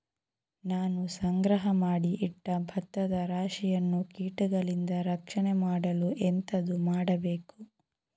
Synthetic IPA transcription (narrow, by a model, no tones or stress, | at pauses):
naːnusɐŋɡɾɐɦɐmaːɽiʔiʈːɐbʱɐt̪ːɐd̪ɐɾaːʂijɐnːukiːʈuɡɐɭind̪ɐɾɐkʂɐnɛmaːɽɐluʔɛnt̪ɐd̪umaːɽɐbeːku